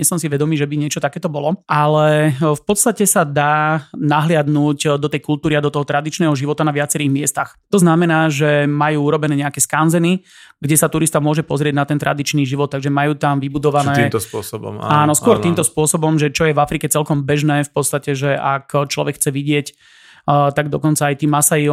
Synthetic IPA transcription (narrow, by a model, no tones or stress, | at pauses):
ɲɛsɔmsiʋɛd̪ɔmiːʒɛbiɲɪɛt͡ʃɔt̪akɛːt̪ɔbɔlɔʔalɛfpɔt̪st̪acɛsad̪aːnaɦlɪad̪nuːɟd̪ɔt̪ɛjkult̪uːɾiad̪ɔt̪ɔɦɔt̪ɾad̪it͡ʃnɛːɦɔʒiʋɔt̪anaʋɪat͡sɛɾiːɣmɪɛst̪axt̪ɔznamɛnaːʒɛmajuːuɾɔbɛnɛːɲɛakɛːskanzɛni | ɡɟɛsat̪uɾist̪amʊɔʒɛpɔzɾɪɛɟnat̪ɛnt̪ɾʔa̰d̪it͡ʃniːʒiʋɔt̪ːaɡʒɛmajuːt̪amʋibud̪ɔʋanɛːt̪spɔsɔbɔ̰maːnɔskʊɔɾt̪iːmt̪ɔspʊɔsɔbɔmʒɛt͡ʃɔjɛvafɾikɛt͡sɛlkɔmbɛʒnɛːfpɔt̪st̪acɛʒɛʔakt͡ʃlɔ̰ʋɛkxt͡sɛʋiɟɪɛc | t̪aɡd̪ɔkɔnt͡saːjt̪iːmasai